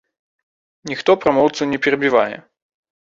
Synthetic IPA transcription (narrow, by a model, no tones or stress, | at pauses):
nʲixt̪ɔpɾamɔwt̪sɨnʲɛpʲɛɾɐbʲivajɛ̰